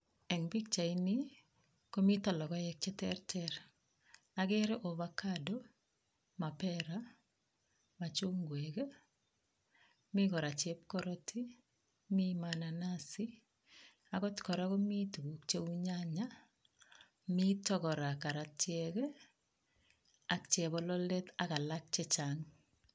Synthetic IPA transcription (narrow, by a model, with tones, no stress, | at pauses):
ɛ˨ŋbi˦k̚t͡ʃa˨ini | ko˦mi˦ta˨lɔ˨kɔ˦jɛk̚t͡ʃɛ˦tɛɾtɛɾ | aɡɛ˦ɾeʔo˨βakado | ma˨pɛɾa | ma˨t͡ʃu˦ŋɡwek | mɪ˦kɔ˨ɾa˨t͡ʃɛ˦p̚kɔ˦ɾɔtʰi˦ | mi˦manana˦sɪ | a˨kɔ˦tkɔ˨ɾa˦kɔ˦mi˦tu˨ɡu˨kt͡ʃe˦u˦ɲa˦ɲa˦ | mi˦tɔ˦kɔ˨ɾa˨ka˨ɾatjɛk | a˦kt͡ʃɛ˨bɔ˦lɔ˦lɛ˦t̪a˦ka˨lak̚t͡ʃɛ˦t͡ʃaŋ